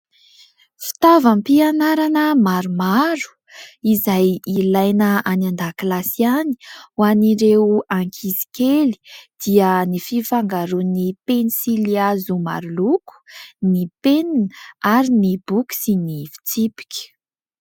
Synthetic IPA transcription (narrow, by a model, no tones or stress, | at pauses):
fi̥t̪avampianaɾanəmaɾumaɾu̥ | izajilajnəanand̪aklasiani̥waniɾewaŋkʰizi̥keli̥d̪̥iənififaŋɡaɾunipenisiliazuma̰ɾuluku̥nipeninaɾinibuki̥sinifi̥t͡sipi̥kʲə̥